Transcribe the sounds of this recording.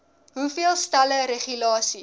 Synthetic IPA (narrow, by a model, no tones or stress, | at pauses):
ɦufiəlˠstæləɾeχylɑːsi